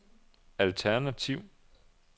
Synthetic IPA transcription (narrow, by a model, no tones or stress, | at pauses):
ælt͡sʰæɐnæt͡sʰiʊ̰